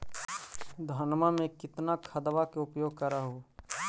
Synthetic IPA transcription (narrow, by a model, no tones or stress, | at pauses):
d̪ʱaːnmamẽkɪt̪nakʰɐd̪ʋakeʊpjoːɡ̚kəɾaɦoː